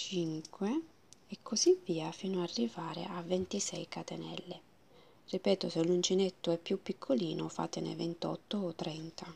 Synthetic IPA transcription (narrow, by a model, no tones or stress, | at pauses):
t͡ʃiŋkwe | ekʰːozivːiːafiːnoarːivaːɾḛʔavːent̪isɛjkat̪enɛ̰lːe | ripɛːt̪oselːunt͡ʃinet̪ːoɛpːjupːikʰːoliːnofa̰ːt̪enḛvent̪ɔ̰t̪ːoːt̪ːɾɛnt̪a